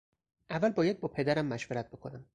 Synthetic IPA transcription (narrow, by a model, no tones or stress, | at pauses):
ʔævːælbɒːjæd̪̚bɒːpʰe̞d̪æɾæmːæʃveɾæt̪̚b̥e̞kʰo̞næm